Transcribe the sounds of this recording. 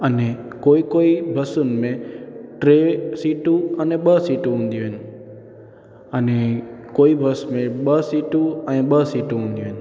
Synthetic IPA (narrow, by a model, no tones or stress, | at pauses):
əne | koːikoibʱəsunmẽʈɾesiːʈũəneɓəsiːʈũɦũnd̪jũɦen | ənekoːibʱəsmẽɓəsiːʈũənẽɓəsiʈũɦũnd̪jũɦen